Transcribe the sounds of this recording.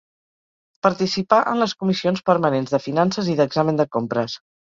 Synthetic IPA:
pəɾt̪isipaʔənləskumisionspəɾmənenzðəfinansəziðəɡzamənd̪əkompɾəs

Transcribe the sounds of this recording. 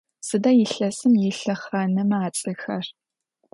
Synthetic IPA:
sɨdɐjɪɬɐsɨmjɪɬɐχɐnɨmaːt͡sʼɨxɐr

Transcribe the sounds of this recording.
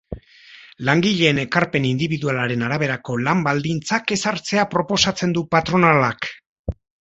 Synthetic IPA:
laŋɡiʎe̞ːne̞kaɾpe̞nind̪iβiðualaɾe̞naɾaβ̞e̞ɾako̞lambald̪int͡sake̞saɾt͡se̞apɾo̞po̞sat͡se̞nd̪upat̪ɾo̞nalak

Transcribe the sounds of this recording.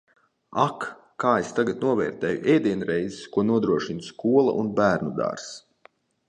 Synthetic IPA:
akː | aːest̪aɡat̪nuɔvɛːɾt̪ɛːjṵʔeːd̪iɛnɾɛjzskuɔnuɔd̪ɾuɔʃinskuɔlˠa̰ʔunbæːɾnud̪a̰ɾs

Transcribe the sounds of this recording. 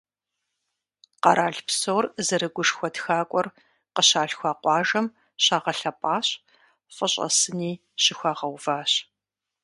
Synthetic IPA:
qɑɾʔaːɮpsowrzɐɾɨɡʷʊʂxʷɔtxaːkʷʼɔr | qəɕaːɬxʷaːqʷɑːʒɐm | ɕaːʁɐɬɐpʼaːɕ | fʼəɕʼɐ̰sɨniː | ɕɪxʷaːʁɐwv̥aːɕ

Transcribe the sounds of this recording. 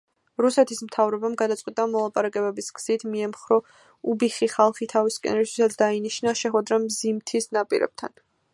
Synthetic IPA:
ɾusɛt̪ʰismt̪ʰavɾɔbamɡad̪at̪sʼwit̪ʼamɔlˠapʼaɾakʼɛbɛbisɡz̥it̪ʰmiɛmχɾɔ | ubiχiχalˠχit̪ʰaviskʼɛ̰nɛɾist̪ʰwi̥sat̪sʰd̪ainiʃnaʃɛχwɛd̪ɾamzimt̪ʰisnapʼḭɾɛ̰b̥̚t̪ʰa̰n

